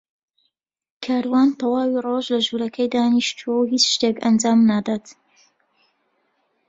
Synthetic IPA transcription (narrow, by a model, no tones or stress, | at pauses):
kʰaːɾwaːnt̪ɐwaːwiroʒlɐʒuːɾɐkʰɐjd̪aːniʃt̪ʰuwɐwɦit͡ʃʃt̪ekɐnd͡ʒaːmnaːd̪aːt̪